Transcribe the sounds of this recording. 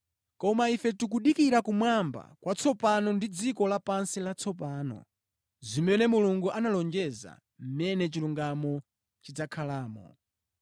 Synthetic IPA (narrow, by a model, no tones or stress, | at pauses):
kɔmaifɛtuk̬uɗikiɾakumwamba̰kwʔat͡sʰɔpanɔndid͡zikɔlapansilat͡sʰɔp̬aːnɔ̰ | zimɛnɛmuluŋɡuʔanalɔnd͡ʒɛza̰ | m̩mɛnɛt͡ʃiluŋɡamɔ | t͡ʃid͡zakʰalaːmɔ̰